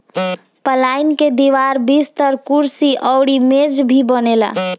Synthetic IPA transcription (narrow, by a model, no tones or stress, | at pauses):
pəlajnked̪iʋaɾbist̪əɾkuɾsiʔəwɽimed͡ʒbʱibənela̰